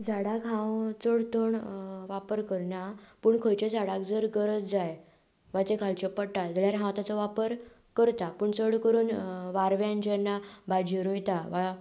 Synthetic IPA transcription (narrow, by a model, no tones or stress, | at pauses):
d͡zaɽakɦãwt͡səɽt̪oɳʋapəɾkəɾɳapəːɳkʰəjt͡ɕed͡zaɽak̚d͡zəɾɡəɾət͡sd͡zaj | ʋat̪ekʰalt͡ɕepəɽʈad͡zəljaɾɦãwt̪at͡sɔʋapəɾ | kəɾt̪apəɳt͡səɽkəɾuːnʋaɾʋjãnd͡ʑɛnːabad͡ʑiɾujt̪aʋa